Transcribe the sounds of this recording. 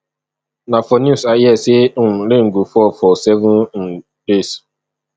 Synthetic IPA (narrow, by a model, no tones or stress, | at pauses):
nafɔnusajɛsem̩leŋ̩ɡufɔfɔsɛvʊ̃nn̩ | bes